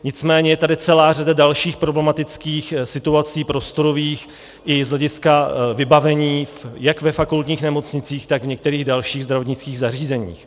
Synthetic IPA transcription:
ɲɪt͡smɛːɲɛjɛt̪adɪt͡sɛlaːradadalʃiːxpɾo̞blɛmat̪ɪt͡skiːxsɪt̪uat͡siːpɾo̞st̪o̞ɾoviːx | ʔɪzlɛɟɪskavɪbavɛɲiːfjakvɛfakult̪ɲiːxnɛmo̞t͡sɲɪt͡siːxt̪aɡvɲɛk̚t̪ɛɾiːɣdalʃiːɣzd̪ɾavo̞t̪ɲɪt͡skiːɣzariːzɛɲḭːx

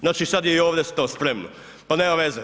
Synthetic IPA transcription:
znaːt͡ʃisad̪jeioːʋd̪est̪oːspɾemno | panemaʋeze

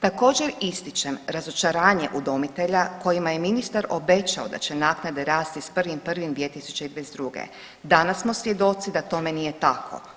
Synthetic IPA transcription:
t̪ako̞ːd͡ʑeɾist̪it͡ʃemɾazo̞t͡ʃaɾaːɲe̞ʔud̪o̞mit̪e̞ʎako̞jimaje̞minist̪aɾo̞be̞t͡ʃaod̪a̰t͡ʃe̞naːknad̪eɾaːst̪ispr̩ʋimpr̩ʋimd̪ʋiet̪isu̥t͡ʃeid̪ʋezd̪ɾuɡḛ | d̪anasmo̞sʋje̞d̪o̞t̪sid̪at̪o̞me̞nije̞t̪akʰo̞̰

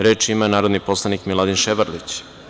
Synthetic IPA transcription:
ɾeːt͡ʃimanaːɾo̞d̪nipo̞slˠanikmilˠad̪inʃeʋaɾlit͡ɕ

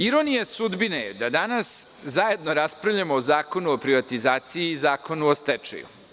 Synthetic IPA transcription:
iɾo̞nijasud̪binejed̪ad̪anas | zaje̞d̪no̞ɾaspɾavʎamoːzaːko̞nuopɾiʋat̪izaːt̪sijiːzaːko̞nuost̪ɛt͡ʂḛjṵ

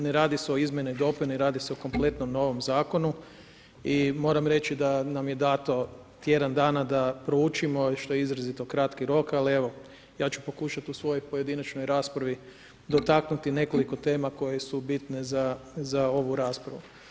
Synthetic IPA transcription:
neɾaːd̪iseo̞izmʲjenojd̪o̞piniɾaːd̪iseoko̞mplˠe̞t̪nomno̞ʋo̞mzaːko̞nu | imo̞ːɾamɾe̞t͡ʃid̪anamje̞d̪aːt̪o̞ | t̪je̞d̪and̪aːnad̪apɾout͡ʃimo̞ʃt̪o̞jeizɾazit̪okɾat̪kiɾo̞kalie̞ʋo̞ | jaːt͡ʃupo̞kuʃat̪usʋo̞jojpo̞je̞d̪inat͡ʃnojɾaːspɾaʋi | d̪o̞t̪aknut̪ine̞ko̞liko̞t̪e̞ːmako̞je̞subit̪ne̞zazao̞ʋuɾaːspɾa̰ʋu

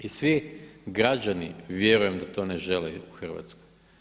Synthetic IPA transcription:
isʋiɡɾad͡ʑaniʋje̞ɾuje̞md̪at̪o̞ːneʒe̞leuxr̩ʋa̰t̪sko̥j

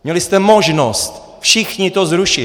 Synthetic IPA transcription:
mɲɛlɪst̪ɛmoʒnost̪ | fʃɪxɲɪt̪ozɾuʃɪ

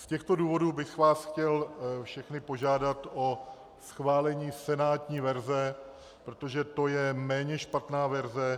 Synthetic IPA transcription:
scɛxt̪o̞duːvo̞duːbɪxvaːsxcɛlfʃɛxnɪpo̞ʒaːdat̪ʔo̞ | sxvaːlɛɲiːsɛnaːt̪ɲiːvɛɾzɛ | pɾo̞t̪o̞ʒɛt̪o̞jɛmɛːɲɛʃpat̪naːvɛɾzɛ

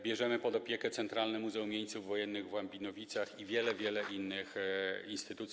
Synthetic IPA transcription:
bʲjɛʐɛmɘpɔd̪ɔpʲjɛkɛt̪sɛnt̪ɾalnɛmuzɛumʲjeɲt̪suvːɔjɛnːɘɣvwambʲinɔvʲit̪saxivʲjɛlɛvʲjɛlɛʔinːɘxinst̪ɘt̪ut̪sʲ

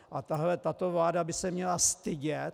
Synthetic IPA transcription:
ʔat̪aɦlɛt̪at̪ovlaːdabɪsɛmɲɛlast̪ɪɟɛt̪

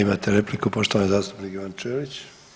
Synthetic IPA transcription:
imaːt̪eɾe̞plikupo̞ʃt̪oʋanozaːst̪upnikiʋant͡ʃeːʋit͡ɕ

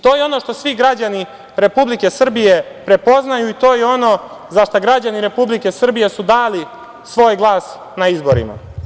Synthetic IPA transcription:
t̪o̞ːjeo̞no̞ʂt̪o̞sʋiɡɾad͡ʑani | ɾe̞publike̞sr̩bije̞pɾe̞po̞znajuit̪o̞ːjeo̞no̞ː | zaʃt̪aɡɾad͡ʑaniɾe̞publike̞sr̩bije̞sud̪aːli | sʋo̞ːjɡlˠaːs | naizbo̞ɾḭma̰

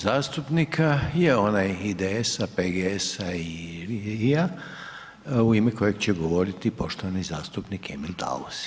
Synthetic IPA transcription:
zaːst̪upnikʰaje̞o̞najid̪eesapeɡeesai | ia | uimeko̞je̞ɡt͡ɕe̞ɡoʋo̞ɾit̪ipo̞ʃt̪oʋanizaːst̪upnikemilt̪ʰa̰lus

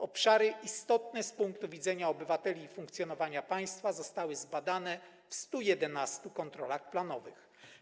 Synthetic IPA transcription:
ɔpʂaɾɘʔist̪ɔt̪nɛspuŋk̚t̪uvʲid̪zɛɲaɔbɘvat̪ɛlʲiːfuŋkt̪sjɔnɔvaɲapaj̃st̪fazɔst̪awɘzbad̪anɛ | fst̪ujɛd̪ɛnast̪ukɔnt̪ɾɔlaxplanɔvɘ̰x

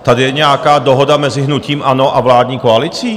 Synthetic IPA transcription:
t̪adɪjɛɲɛakaːdoɦodamɛzɪɦnuciːmʔanoʔavlaːdɲiːkoalɪt͡siː

